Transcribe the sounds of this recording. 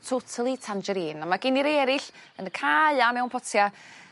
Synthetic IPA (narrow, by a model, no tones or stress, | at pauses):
tʰotʰəlˠitʰand͡ʒɛɾiːnamaɡɪniɾɛɾɪɬənəkʰaɨamɛwnpʰɔtʰja